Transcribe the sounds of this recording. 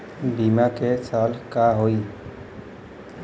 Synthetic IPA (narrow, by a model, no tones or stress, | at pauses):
biːmaːkesaːlkaːɦoiː